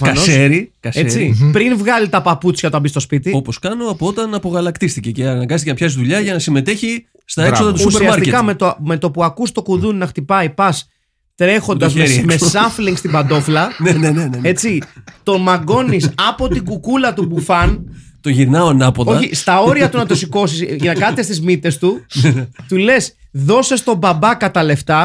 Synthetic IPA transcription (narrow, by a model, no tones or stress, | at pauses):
fkɐnosseɾikɐset͡sipɾinvɣɐlit̪ɐpɐput͡sçɐt̪ɐbist̪o̞spit̪io̞poskɐnoɐpoo̞t̪ɐnɐpo̞ɣɐlɐkt̪ist̪ice̞ceɐɐnɐɡɐnst̪icenɐpçɐsizðuʎɐʝɐnɐsime̞t̪e̞çi | st̪ɐesoððɐt̪usuuseɾiɐmɐsɾt̪ietkɐme̞t̪ome̞t̪o̞puɐkust̪o̞kuðunnɐxt̪ipɐipɐs | t̪ɾe̞xo̞nd̪ɐzmesɐfliŋɡst̪ibɐnd̪o̞flɐnenenee̞t͡sit̪o̞mɐɡo̞nisɐpo̞t̪iɡukulɐt̪ubufɐnt̪oʝiɾnɐonɐpoto̞çist̪ɐo̞ɾiɐt̪unɐt̪osiko̞sisnɐkɐt̪est̪izmit̪e̞st̪u | t̪ule̞s | ðo̞sest̪o̞bɐbɐkɐt̪ɐle̞ft̪ɐ